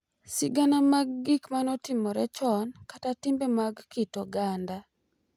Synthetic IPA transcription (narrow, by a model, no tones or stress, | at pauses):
sɪɡanamaɡ̚ːɪkmanɔtɪmɔɾɛt͡ʃɔnkatatɪmbemaɡkitɔɡanda